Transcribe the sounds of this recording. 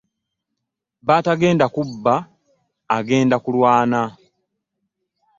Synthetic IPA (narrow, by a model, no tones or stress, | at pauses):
baːtaɡe̞ːndakubːaː | ɡe̞ːndakulwaːna